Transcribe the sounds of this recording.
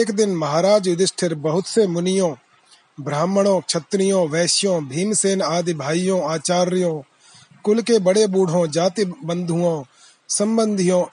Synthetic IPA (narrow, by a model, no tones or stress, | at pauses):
kd̪ɪnməɦaːɾaːd͡ʒʋɪd̪ɪsʈʰɪɾbɐɦʊt̪semʊnɪjõː | bɾaːmɽ̃õːkt͡ʃʰət̪ɾɪjõːʋɛːʃɪjõːbʱiːnseːnaːd̪ibʱaːijõːaːt͡ʃaːɾɪjõː | kʊlkebəɽeːbuːɽ̤ʱõːd͡ʒaːt̪ibənd̪ʱʊõː | sə̃mbənd̪ʱɪjõː